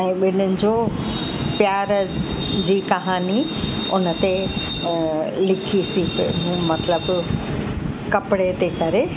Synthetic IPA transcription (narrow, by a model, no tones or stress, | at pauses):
ɛ̃ːɓɪn̤ənɪ̆d͡ʑoː | pjaːɾ | d͡ʑiːkɐɦaːni | ʊnə̆t̪e | lɪkʰisipɦũmɐt̪ləb | kɐpɪɽet̪ekɐɾe